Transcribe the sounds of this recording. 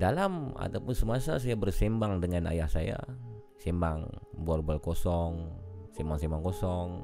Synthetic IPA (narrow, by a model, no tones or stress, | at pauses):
dalama̰t̪auwpʊnsəmasas̬ajabərsimbaŋdəŋana̰jahsaja̰ | simbaŋbarbalkɔsɔŋsimbaŋsimbaŋkɔsɔŋ